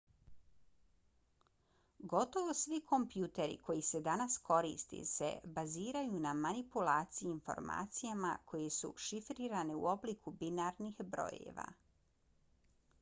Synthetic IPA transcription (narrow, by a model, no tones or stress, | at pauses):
ɡo̞t̪o̞ʋo̞sʋikʰo̞mpjuːt̪e̞ɾḭkʰo̞jise̞d̪anasko̞ɾḭst̪ḭsḛbaziːɾajunamanipulaːt̪sijiːnfo̞̰ɾma̰ːt̪sijama̰kʰo̞jesṵʃifɾiːɾaniṵo̞blikʰubinaɾnixbɾo̞̰ːjḛʋa̰